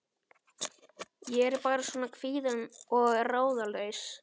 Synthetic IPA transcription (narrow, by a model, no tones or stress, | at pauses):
jɛɛɾpaːɾasɔːnakʰviːðanɔɣraːwðaleɥs